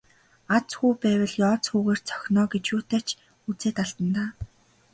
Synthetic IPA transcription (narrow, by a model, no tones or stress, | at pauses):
at͡sxuːpæːwʲə̆ɮjɔːt͡sxuːɣeːr̥t͡sʰœ̥xʲnɔːɡet͡ɕjuːt̪æːt͡ɕ | ut͡seːt̪aɮt̪ə̆nt̪aː